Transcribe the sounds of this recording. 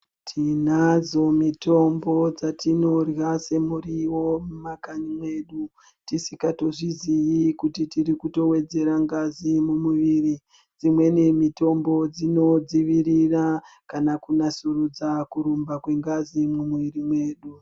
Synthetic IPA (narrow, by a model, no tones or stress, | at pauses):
tʰinad͡zo̞mito̞mbo̞d͡zatino̞rwase̞muriwo̞mumakaɲimwe̞ːɗu | tisikato̞ʐizijikutitirikuto̞we̞d͡ze̞ɾaŋɡazimumuʋiːri | d͡zimwe̞nemito̞mbo̞d͡zino̞d͡ziʋirirakanakunasurud͡zakuɾumbakwe̞ŋɡazimumuʋirimwe̞ːɗu